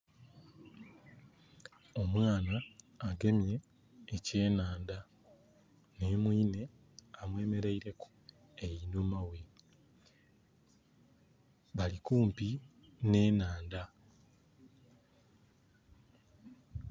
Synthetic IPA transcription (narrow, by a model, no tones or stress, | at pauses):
o̞mwaːnaː | ɡe̞mje̞ː | ce̞ːnaːnda | neːmwiːne̞ | amwe̞ːme̞ɾeiɾe̞ku̥ | ejinumawe | βalikuːmpine̞ːnaːnda